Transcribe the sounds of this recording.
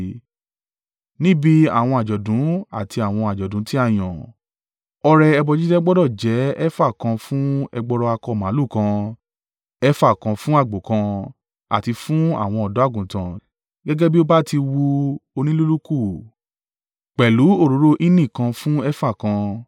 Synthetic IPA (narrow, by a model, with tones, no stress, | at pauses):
nĩ˦bi˦a̰˦˨w̃ɔ̃˧a˨d͡ʒɔ˨dũ˨˦a̰˦˨tʰi˧a˨w̃ɔ̃˧a˨d͡ʒɔ˨dũ˨˦ti˦a˦˨j̃ɔ̰̃˨ | ɔ˧ɾɛ˧ɛ˧bɔ˧d͡ʒi˦dɛ˦ɡ͡bɔ˦dɔ˦˨d͡ʒɛ˨˦ɛ˦fa˦˨kã˧fũ˦ɛ˧ɡ͡bɔ˧ɾɔ˧a˧kɔ˧˦˨mã˨˦lu˦˨kã˧ | ɛ˦fa˦˨kã˧fũ˦a˦˨ɡ͡bo˨kã˧ | a̰˨ti˧fũ˦a̰˦˨w̃ɔ̃˧ɔ˨dɔ˨˦˨ɡũ˨tã˨ | ɡɛ˦ɡɛ˦bi˦o˦ba˦ti˧wu˧o˧nĩ˦lu˦lu˦ku˦˨ | k͡pɛ˨lu˨˦o˦˨ɾo˨˦ɾo˦ʔi˦nĩ˦˨kã˧fũ˦ɛ˦fa˦˨kã˧